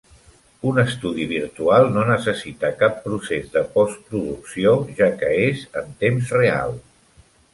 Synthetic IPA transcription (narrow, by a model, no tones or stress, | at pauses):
unəst̪uðiβ̞iɾt̪ualˠnonəsəsit̪akapːɾusezðəpɔspɾuðuksioʒakəezə̰nt̪emzrea̰lˠ